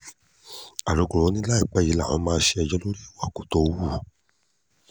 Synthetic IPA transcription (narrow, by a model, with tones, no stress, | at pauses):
a˨ɾo˨˦ko˨ɾo˨˦nĩ˦la˦i˦˨k͡pɛ˨˦ji˨˦la˦˨ɔ̃˨˦mãː˧˦ʃe˧ɛ˧d͡ʒɔ˦lo˦ɾi˦˨wa˦˨ko˨˦to˧˨˧wu˦˨